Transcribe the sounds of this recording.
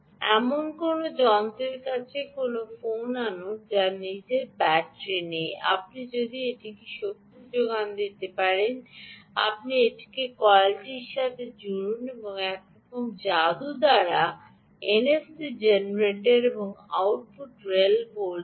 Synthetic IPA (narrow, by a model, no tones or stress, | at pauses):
ɛmonkonod͡ʑɔnt̪ɾeɾkat͡ɕʰekonofonanod͡ʑanid͡ʑeɾbɛʈɾeneja̰p̚nid͡ʑod̪ieʈikeʃot̪ːud͡ʑoɡand̪it̪epaɾena̰p̚nieʈi̥kekɔlʈiɾʃat̪ʰed͡ʑuɾuneboŋɛkɾɔkomd͡ʑad̪ud̪aɾa | enesid͡ʑenɾeʈeɾeboŋa̰wʈ̚puʈɾelbol